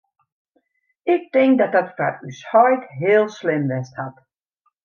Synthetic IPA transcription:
ɪk̚tɪ̃ŋk̚dat̚dɔtfa̰ɾyshɔjtɦɪəlˠslɪmʋɛsthat

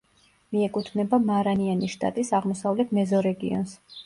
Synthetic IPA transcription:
miɛkʼut̪ʰnɛbamaɾanianiʃt̪ʼa̰t̪ʼisaʁmɔsavlɛt̪ʰmɛzɔɾɛɡḭɔ̰ns

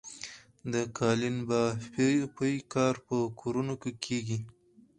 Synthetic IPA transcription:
d̪əkʰɑlinbɑ | pəjkɑɾpəkʰoɾunokekʰeɡi

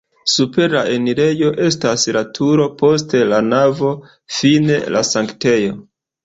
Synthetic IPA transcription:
supe̞ɾaeniɾe̞jo̞ʔe̞staslatʰuɾo̞po̞ste̞lanavo̞ | fine̞lasaŋkte̞jo̞

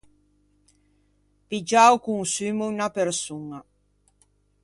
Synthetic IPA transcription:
pid͡ʒawkuŋsymuynapeɾsuŋa

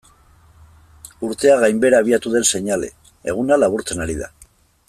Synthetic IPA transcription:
uɾt̪e̞aɣajmbe̞ɾaːβ̞iat̪uð̞e̞nse̞ɲale̞̰ | eɣ̞unalaβuɾt͡se̞naɾiða̰

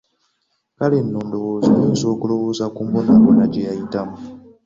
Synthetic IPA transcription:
kalinːoːndoɣozoniːnzokuloβozakumbonaβonacejajitamu

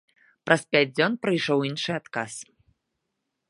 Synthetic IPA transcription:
pɾʔɐspʲæt͡s̚ʲd͡zʲɔnpɾɨjʂɔwinʂɨjat̪kas

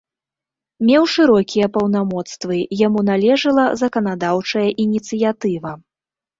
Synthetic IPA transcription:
mʲɛwʂɨɾɔkʲijɐpɐwnamɔt̪st̪vɨjamunalʲɛʐɨlˠɐzɐkɐn̪ad̪awt͡ʂɐjɐʔinʲit̪sɨjat̪ɨvɐ

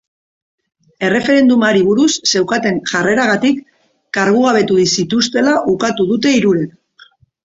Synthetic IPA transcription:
e̞re̞fe̞ɾe̞nd̪umaɾiβ̞uɾusːe̞wkat̪e̞ŋʝare̞ɾaɣ̞at̪ikː | aɾɣuɣ̞aβ̞e̞t̪uðisit̪ust̪e̞laʔukat̪uðut̪e̞iɾuɾek

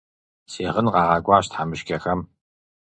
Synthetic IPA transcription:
seːʁənqɑːʁɑːɡʷɑːɕtħamɨʃkʲʰɐxɐm

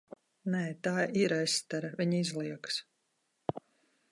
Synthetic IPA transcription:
nɛːt̪aːʔiɾajst̪aɾavʲiɲizlˠiɛks

